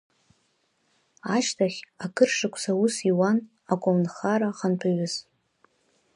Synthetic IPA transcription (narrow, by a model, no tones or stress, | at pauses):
aʃtʰaχʲakʰɨrʂakʷʰʼsausiwan | akʷʼomnχaɾaχanpʰaɥʊz